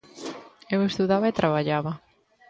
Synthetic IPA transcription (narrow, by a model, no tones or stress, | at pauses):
ewest̪uðaβɐet̪ɾʔaβ̞aʎaβɐ